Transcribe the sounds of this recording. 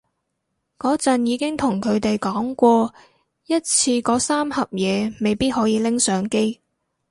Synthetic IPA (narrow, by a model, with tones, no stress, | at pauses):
kɔː˨˥t͡sɐ˨njiː˨˧kɪ˥ŋt̪ʰʊ˨˩ŋkʰɵ˨˧ɥt̪e˨jkɔː˨˥ŋkʷɔː˧ | jɐ˥t̚t͡sʰiː˧kɔː˨˥saː˥mhɐ˨p̚jɛː˨˧me˨jpiː˥t̚hɔː˨˥jiː˨˧lɪ˥ŋsœː˨˥ŋke˥j